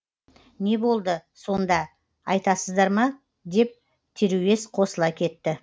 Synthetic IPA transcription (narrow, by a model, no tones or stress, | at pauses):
ne̞bo̞lˠd̪əso̞nd̪ɑ | ɑjt̪ɑsəzd̪ɑɾmɑ | d̪e̞p̚ | t̪ʰeɾuwe̞sqʰo̞səlˠɑkʲʰe̞t̪ːɪ